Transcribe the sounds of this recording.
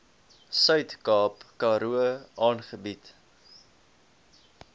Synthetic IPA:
sœɥtkɑːpkɑːɾuəʔɑːnχəbit

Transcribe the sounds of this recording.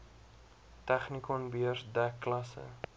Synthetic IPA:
tɛχnikɔnbiərdækːlɐsə̰

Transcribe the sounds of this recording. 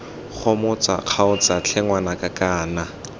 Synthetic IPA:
χɔmʊt͡sʼa̰q͡χʰaʊt͡sat͡ɬʰɛŋwanakʼakaːna

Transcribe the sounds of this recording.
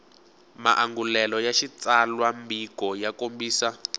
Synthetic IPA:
ma̰ʔaŋɡulɛlɔjaʃit͡salwambikɔjakombiːsa

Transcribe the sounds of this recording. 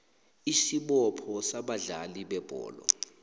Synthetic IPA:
isiɓɔpʰɔsaɓaɮaliɓɛb̥ʱɔ̰ːlɔ̰

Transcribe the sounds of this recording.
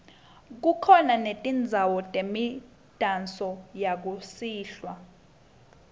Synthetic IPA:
k̬ukʰɔnanetʼind͡zʱawɔtʼemi | d̥ʱant͡sʼɔjak̬usiːɬwa

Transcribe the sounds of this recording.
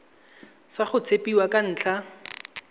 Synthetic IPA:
saχʊt͡sʰepʼiwakʼan̩ːt͡ɬʰa

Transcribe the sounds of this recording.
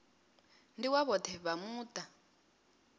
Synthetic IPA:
ndiwaβɔtʰɛβamuːtʼa

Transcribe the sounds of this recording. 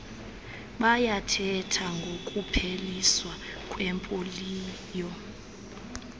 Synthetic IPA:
ɓajatʰɛtʰaŋɡʱokʼupʰeliswakʼwɛmpʼoliː | jɔ

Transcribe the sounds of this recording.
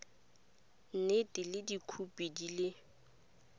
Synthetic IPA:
n̩netʼɪlɪdikʰupʼidilɪ

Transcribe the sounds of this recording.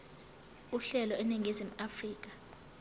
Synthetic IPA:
uɬɛlɔɛneŋʱezim̩afriːk̬ʼa

